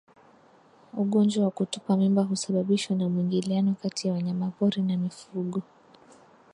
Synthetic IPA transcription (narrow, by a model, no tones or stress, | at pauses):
uɠɔnd͡ʒwawakutupamimbaɦusaɓaɓiʃwanamwiŋɡilianɔkatijawaɲamapɔɾinamifuɠɔ